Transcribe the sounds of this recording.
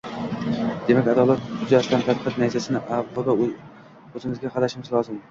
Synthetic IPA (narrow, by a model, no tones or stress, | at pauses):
d̪̥e̞makʲad̪ɒlˠat̪̚ʊzd͡ʒaʃt̪ant̪ʰad̪qʰɨt̪najsasɪnɪʔabʊd̪a | ɵzɪŋɪzɡʲaqʰɑd̪aʃɪmɪzlˠɒzɪm